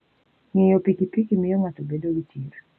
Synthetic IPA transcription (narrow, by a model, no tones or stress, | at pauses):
ŋejɔpikipikimɪjoŋatobedowitʰiɾ